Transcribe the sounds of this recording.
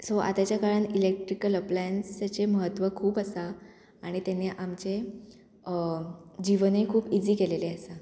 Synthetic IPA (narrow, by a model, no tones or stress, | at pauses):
soʔa̰t̪at͡ɕjakaɾəɳilek̚ʈɾikələplajənsat͡ɕeməɦət̪ːʋəkʰuːpəsa | aɽ̃it̪aneʔamt͡ɕe | d͡ʑiʋənikʰuːpid͡ziːkeleleasa